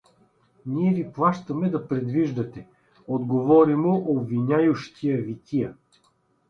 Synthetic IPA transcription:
niɛviplˠaʃt̪ɐmɛd̪ɐpɾɛd̪viʒd̪ɐt̪ɛ | od̪ɡovɔɾimoʔobvinʲajʊʃt̪ijəvit̪ʲijə

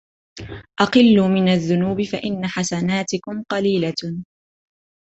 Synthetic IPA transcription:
ʔɑqɨlːuːmɪnaðːʊnuːbɪfaʔɪnːaħasanaːt̪ɪkʊmqɑliːla

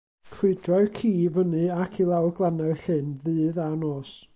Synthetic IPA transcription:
kʰr̥ɪdrɔɨkʰiːvənɨakʰilˠawɡlˠanaɬɨnðɨːðanoːs

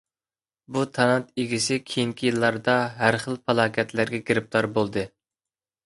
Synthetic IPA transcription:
but̪ʰɑnɑt̪eɡʲisɪkʲʰejiŋkʲʰijilˠːɑɾd̪ɑɦæɾχəlˠpɑlˠɑːkʲʰɛt̪læɾɡʲɛɡʲeɾɪp̚t̪ʰɑɾbolˠd̪ɨ

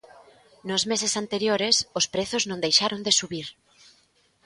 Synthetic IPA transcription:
nʊzmesesant̪eɾjoɾɪsospɾeθʊznõnd̪ejʃaɾond̪esuβiɾ

